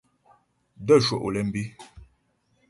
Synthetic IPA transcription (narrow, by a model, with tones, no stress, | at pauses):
də˦˨ʃo̰˨ʔo˨lɛ˨m̩˦bi˦